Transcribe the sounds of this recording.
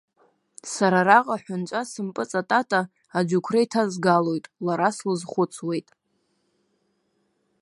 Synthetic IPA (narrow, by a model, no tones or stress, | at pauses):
saɾaraqʼaħʷᶣʊnt͡ʃʷʼasɨmpʼɨt͡sʼatʼatʰʼaː | d͡ʒukʷʰrajtʰazɡalo̞jtʼlaɾaslɨzχʷʊt͡sʰwe̞jtʼ